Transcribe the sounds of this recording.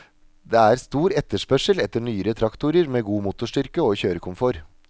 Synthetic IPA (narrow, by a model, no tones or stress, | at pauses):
d̪eːæːɾst̪uːɾɛt̪ːəʂpœʂəlɛt̪ːəɳyːəɾət̪ʰɾɑkt̪ʊɾəɾmeːɡuːmʊt̪ʊʂʈʏɾkəoːçøːɾəkʰʊmfɔɾ